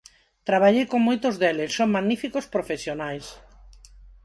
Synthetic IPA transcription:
t̪ɾaβaʎejkoŋmojt̪ozðɛlesːoŋmaɣnifikospɾofesjonajs

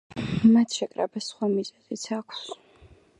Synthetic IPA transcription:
mat̪ʰʃɛkʼɾɛ̰basχwamizɛzit̪sʰakʷʰs

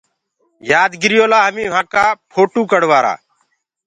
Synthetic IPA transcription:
jaːd̪ɡɪɾjoːlaːɦəmĩːʋ̤ãːkaːpʰoːʈuːkəɽ̤ʋaːɾa̰ː

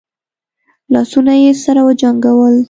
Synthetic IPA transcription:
lɑsunajesaɾawəd͡ʒaŋɡawəl

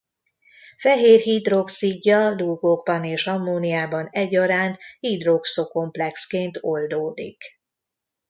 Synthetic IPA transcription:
fɛɦeːrɦid̪ro̞ksiɟːɒluɡoɡbɒneːʃhɒmːoːnijaːbɒnɛɟːɒɾaːnt̪hid̪ro̞ksoko̞mplɛkskeːnt̪o̞ld̪oːd̪ḭk

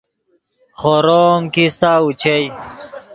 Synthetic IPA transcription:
χoɾoːŋkist̪aːut͡ɕʰej

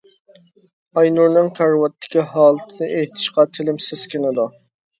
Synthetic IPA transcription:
ɑjnuɾnɨŋqʰæɾwɑt̪ʰːɪ̥kʲiɦɑːlˠɨt̪ʰɨnɨʔejt̪ʰɪ̥ʃqɑt̪ʰɪlɪmsɪskʲɪnɪd̪u

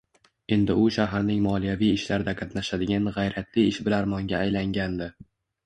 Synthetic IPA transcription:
e̞nd̪ɪʊʃaɦaɾnɪŋmɒlˠijavijɪʃlaɾɪd̪aqʰɑt̪naʃad̪ɪɡʲanʁɑjɾat̪ʰlɪɪʃbɪlaɾmɒŋɡʲaːjlaŋɡʲand̪ɪ

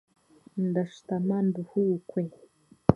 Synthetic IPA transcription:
nd̪aʃt̪amand̪uhukwe

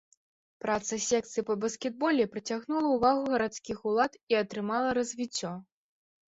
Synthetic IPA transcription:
pɾat̪sɐsʲɛk̚t̪sɨjpɐbɐskʲɛd̪̚bɔlʲɛpɾɐt͡sʲaɣnulˠɐuvaɣuɣɐɾat̪skʲixulˠat̪iɐt̪ɾɨmalˠɐɾɐzʲvʲit͡sʲːɔ

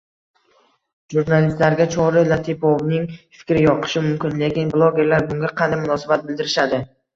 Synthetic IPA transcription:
ʒuɾnalist̪laɾɡʲat͡ʃʰɒɾɪlat̪ʰepɒvnɪŋfɪ̥kʲɾɪjɒqʰɨ̥ʃɪmʊmkʲɪnle̞kʲɪnblˠoɡʲe̞ɾlaɾbʊŋɡʲaqʰɑnd̪ajmʊnɒsabat̪̚bɪld̪ɪɾɪʃad̪ɪ

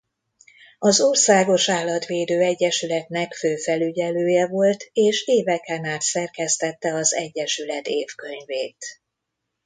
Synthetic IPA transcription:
ɒzoːrsaːɡo̞ʃaːlɒt̪ʋeːd̪øːɛɟːɛʃylɛt̪nɛkføːfɛlyɟɛløːjɛvo̞lt̪eːʃeːvɛkɛnaːt̪sɛrkɛst̪ɛt̪ːɛɒzɛ̰ɟːɛʃylɛt̪eːfkø̞ɲveːt̪

